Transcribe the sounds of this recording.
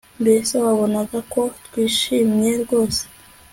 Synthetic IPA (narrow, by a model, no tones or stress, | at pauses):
mbesewaβo̞naɡako̞twiːʃiːmɲe̞ɾɡo̞ːse̥